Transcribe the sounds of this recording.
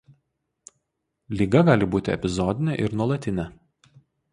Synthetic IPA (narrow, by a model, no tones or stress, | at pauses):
lʲiːɡɐɡɑːlʲɪbuːt̪ʲɪɛ̰pʲɪzɔd̪ʲɪnʲɛʔɪɾnuɔlˠɐt̪ʲɪnʲɛ